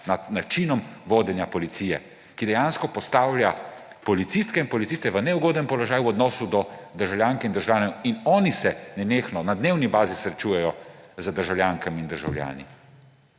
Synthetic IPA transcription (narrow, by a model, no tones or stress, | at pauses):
nad̪nat͡ʃinɔmʋoːd̪ɛnjapɔlit̪siːjɛ̰ | kid̪ɛjaːnskɔpɔst̪aːwlʲja | pɔlit̪sist̪kɛinpɔlit̪ist̪ɛʋənɛuɡoːd̪nɛmpɔlɔʒaːjuɔd̪nɔːsud̪ɔd̪əɾʒawljaːŋkɛind̪əɾʒawjaːnɛinɔːnisɛnɛneːxnɔnad̪neːwnibaːzisɾɛt͡ʃujɛjɔzəd̪əɾʒawlʲjaŋkamind̪əɾʒa̰wlja̰ːnḭ